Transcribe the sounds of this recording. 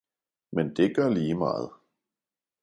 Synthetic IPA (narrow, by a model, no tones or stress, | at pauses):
mend̥eɡ̥ɶɐliːmɑ̰ːð̞̩ˠ